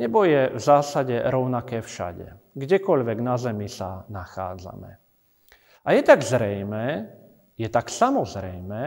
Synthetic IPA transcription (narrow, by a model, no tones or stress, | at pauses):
ɲɛbɔjɛvzaːsaɟɛɾɔʊnakɛːfʃa̰ɟɛ̰ | ɡɟɛkɔʎʋɛɡnazɛmisanaxa̰ːd͡za̰mɛ̰ | ajɛt̪aɡzɾɛjmɛː | jɛt̪aksamɔzɾɛjmɛː